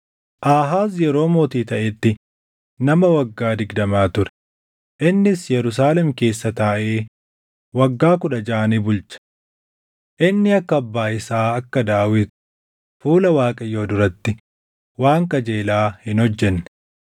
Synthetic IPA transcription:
ʔaːɦaːs̬jɛɾo̞ːmoːt̪iːt̪ɐʔɛt̪ːɪ | nɐmɐwɐɡːaːd̪ɪɡd̪ɐmaːt̪ʊɾɛ̥ | ʔɪnːɪsjɛɾʊs̬aːlɛmke̞ːsːɐt̪aːʔe̞ː | wɐɡːaːkʊᶑɐd͡ʒaːniːbʊlt͡ʃɐ̥ | ʔɪnːɪɐkːɐɐbːaːɪsaːɐkːɐd̪aːwɪt̪ | fuːlɐwaːkʼɐjːo̞ːd̪ʊɾɐt̪ːɪ | waːŋkɐd͡ʒeːlaːhɪnhɔd͡ʒːɛnːɛ̥

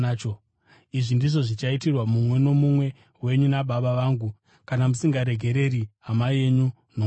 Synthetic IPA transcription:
t͡ʃo | iʐindiʐo̞ʐit͡ʃaitirwamumwe̞no̞mumwe̞ | we̞ɲunaɓaɓaʋaːŋɡu | kanamusiŋɡaɾe̞ɡʱe̞ɾe̞ɾiɦamaie̞ɲu | no

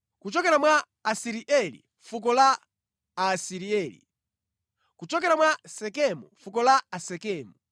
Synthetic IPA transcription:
kut͡ʃɔkɛɾamwaː | siɾiʔɛlḭ | fuk̬ɔla | asiɾiɛːlḭ | kut͡ʃɔkɛɾamwasɛkɛmṵfukɔlaasɛkɛːmu

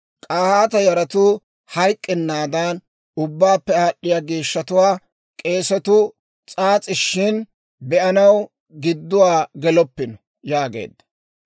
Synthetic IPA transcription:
kʼaːhaːt̪ɐjɐɾɐt̪ʊ | hɐjkʼːɛnːaːd̪ɐn | ʊbːaːpːɛɐɗːɪjaːɡiːʃːɐt̪ʊwaː | kʼe̞ːsɔt̪ʊ | t͡sʼaːt͡sʼɪʃːɪn | bɛʔɐnɐw | ɡɪd̪ːʊwaːɡɛlɔpːɪnɔ | jaːɡe̞̰ːd̪ːɐ̥

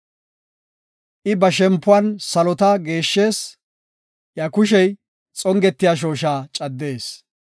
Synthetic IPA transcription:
ʔɪbɐʃɛmpːʊɐnsɐlɔt̪aɡe̞ːʃːe̞ːs | jɐkʊʃɛj | t͡sʼɔŋɡɛt̪ːɪjaːʃ̬o̞ːʃaːt͡ʃʼɐd̪ːe̞ːs

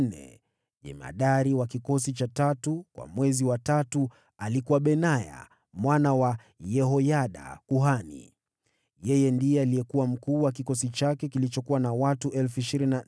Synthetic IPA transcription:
nɛ̰ | ʄɛ̰ma̰ɗaɾiwakikɔs̬it͡ʃatatukwa̰mwɛziwatatu | alikuwaɓɛnaja̰ | mwanawa | jɛɦɔjaɗa̰kuɦanḭ | jɛjɛndiɛaliɛkuwam̩kuːwak̬ikɔsit͡ʃakɛkilit͡ʃɔkuwanawatuʔɛlfuiʃiɾinina

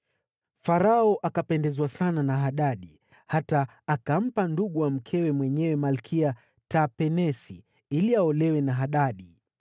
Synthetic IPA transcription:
faɾaɔʔakapɛndɛzwasananaɦaɗaɗi | hataː | kam̩panduɠuwam̩kʰɛwɛmwɛɲɛwɛmalkʰia | tapɛnɛsi | iliaɔlɛwɛnaɦaɗaɗi

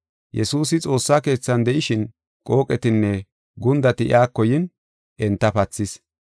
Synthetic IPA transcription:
jɛsuːsɪt͡sʼo̞ːsːaːke̞ːt͡sːɐnd̪ɛʔɪʃɪn | kʼo̞ːkʼɛt̪ɪnːɛ | ɡʊnd̪ɐt̪ɪʔɪ̰ʔaːkːɔjɪn | ʔɛnt̪ːɐpɐt͡sːɪs

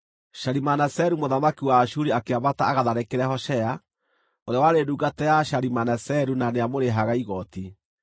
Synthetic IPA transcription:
ʃaɾimanasɛɾumoðamakiwaːʃuɾiakeaβataːɣaðaɾɛkeɾɛhɔʃɛa | oɾeawaɾeduːɡatɛjaʃaɾimanɛsɛɾunaneamoɾeɦaɣaiɣɔti

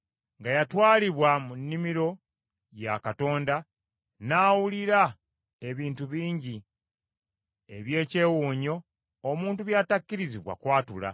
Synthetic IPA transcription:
ŋɡajatwaːliβwamunːimiɾo̞ | jakato̞ːnda | naːwuliɾa | e̞βiːntuβiːɲɟi | e̞βje̞ːce̞ːwuːɲo̞ː | muːntuβjaːtakːiɾiziβwa̰kwaːtula̰

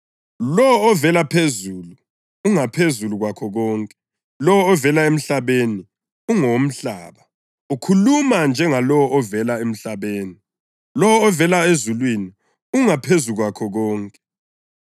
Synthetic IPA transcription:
lɔːvɛlapʰezulu | uŋapʰezuluɣwakʰɔɣɔːŋkʼɛ | lɔwɔɔvɛlaem̩ɬaβeni | uŋom̩ɬa̰ːβa | ukʰulumand͡ʒʱɛŋalɔwɔʔɔvɛlaem̩ɬaβeːni | lɔwɔːvɛlaezulwini | uŋapʰezuɣwakʰɔɣɔːŋkʼɛ̥

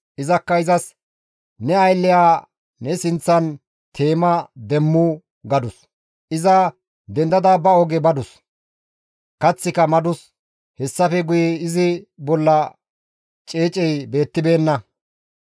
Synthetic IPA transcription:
ʔɪzɐkːɐɪzɐs | nɛɐjlːɪjaː | nɛsɪnt͡sːɐn | t̪ʰe̞ːmɐd̪ɛmːu | ɡɐd̪ʊs | ʔɪzɐ | d̪ɛnd̪ɐd̪abɐɔɡɛbɐd̪ʊs | kɐt͡sːɪkɐmɐd̪ʊs | hɛsːɐfɛɡʊjɛɪzɪbɔlːɐ | t͡ʃʼeːt͡ʃʼɛjbe̞ːt̪ːɪbe̞ːnːɐ

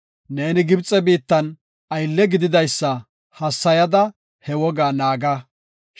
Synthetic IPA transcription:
neːnɪɡɪbt͡sʼɛbiːt̪ːɐn | ɐjlːɛɡɪd̪ɪd̪ɐjsːɐ | hɐsːɐjɐd̪ɐ | hɛwɔɡaːnaːɡɐ

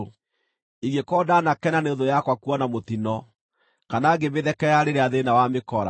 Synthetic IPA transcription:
iɣekɔːdanakɛnaneoðojakwakuɔnamot̪inɔ | kanaɡemeðɛkɛjaɾeɾeaðenawamekɔɾa̰

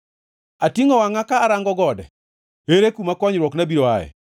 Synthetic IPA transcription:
atiŋɔwaŋakaːɾaŋɡɔɡɔdɛ̰ | eɾekumakɔɲɾwɔknabiɾoa̰ɛ̰

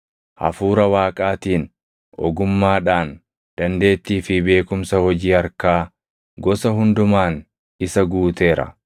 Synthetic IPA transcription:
hɐ̰fuːɾɐwaːkʼaːt̪iːn | ʔɔ̰ɡʊmːaːᶑaːn | d̪̥ɐnd̪e̞ːt̪ːiːfɪbe̞ːkʊmsɐhɔd͡ʒiːhɐɾkaː | ɡɔsɐɦʊnd̪ʊmaːn | ɪsɐɡuːt̪e̞ːɾɐ̰

